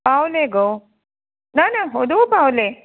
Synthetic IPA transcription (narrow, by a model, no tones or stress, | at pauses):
baːwleɡo | nanɐɦod̪upaːwle